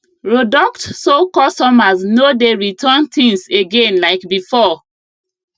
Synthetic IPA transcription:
ɹodɔktsokɔstɔmaznodeɹitʰant̪ĩŋseɡẽnlaɪkbifɔ

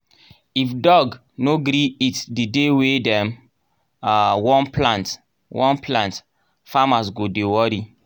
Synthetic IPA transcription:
ifdɔɡ | noɡɾiitdidewedɛ̃m | awɔ̃nplãnt | wɔ̃nplãnt | famas̬ɡodewɔɾi

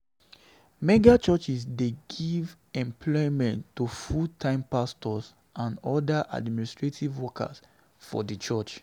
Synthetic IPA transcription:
mɛɡat͡ʃɔt͡ʃisdeɡiv | ɛ̃mpʰlɔɪmɛ̃ntːufutʰãɪ̃mpastɔs | ʔãnɔdaʔa̰dministɹetʰivwɔkʰa̰s | fɔ̰dət͡ʃɔt͡ʃ

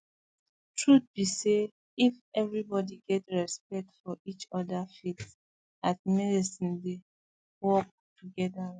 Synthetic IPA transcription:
tʰɹut̚b̥ise | ifɛvɹibɔdiɡɛtɹɛspɛk̚tfɔʔit͡ʃɔdafits | at̚mɛdisĩnde | wɔk̚ | tʰuɡɛda

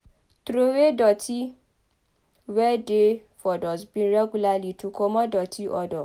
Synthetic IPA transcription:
tɾowedɔtʰi | wɛdefɔdɔsbĩɾɛɡulalitukɔmɔ̃dɔtʰiʔɔdɔ

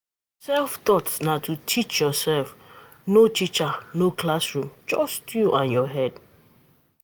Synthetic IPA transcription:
sɛlft̪ɔtsnatʰutʰit͡ʃjɔsɛlf | notit͡ʃanoklasɹũmd͡ʒɔstjuʔãnjɔɦɛd

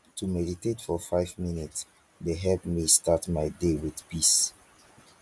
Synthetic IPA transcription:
tʰumɛditetfɔfaɪvminits | deɦɛlpmistatmaɪdewiðpis

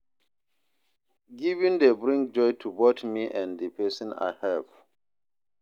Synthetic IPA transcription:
ɡivĩndebɹĩŋk̚d͡ʒɔjtʰubotmiʔɛ̃ndəpʰɛsĩna̰jhɛv

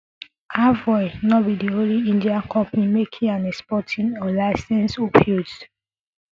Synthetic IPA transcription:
avɔɪnɔbidiõnliĩndiakʰɔ̃mpnimekʰĩãnɛkspɔtʰĩnɔlaɪsɛ̃nsopʰjus

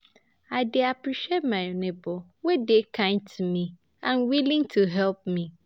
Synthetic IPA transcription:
aɪdeapɾiʃiet̚mãonẽbɔ | wedekʰãntʰumĩ | ãnwilĩŋtʰuɦɛlp̚mĩ

